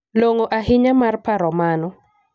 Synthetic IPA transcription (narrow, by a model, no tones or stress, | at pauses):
loŋoʔaɦɪɲamarpaɾɔmanɔ